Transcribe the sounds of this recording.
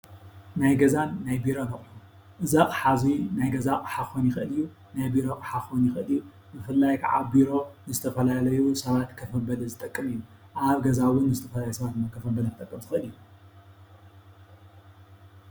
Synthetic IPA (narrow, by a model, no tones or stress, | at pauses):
najɡɐzanːajbiɾo̞nɐχʼu | ʔɨzakʼħazinajɡɐzakʼɨ̥ħaxonjɪxʔɨlɨjːu | najbiɾo̞qʼɨħaxonjɪxɨliju | bɨfɨlːajkʰa̰ʕa̰biɾo̞nɨzɨt̪ʰɐfɐlalɐjusɐβat̪kʰɐfɐbɐlɐzɨt̪ʼɐkʼːɨmijːuʔaβɡɐzawʊnːɨzɨt̪ʰɐfɐlalajusɐβat̪mɐkʰɐfɐbɐlɐfɨt̪ʼɐkʼːɨmzɨxʔɨljːu